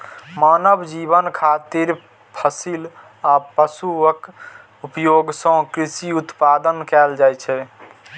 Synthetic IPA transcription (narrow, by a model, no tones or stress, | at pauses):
maːnəbd͡ʒibənkʰat̪iɾ | pʰəsil | apəsuək | upjoɡsə̃kɾisiut̪pad̪ənkɛld͡ʒajt͡ʃʰɛ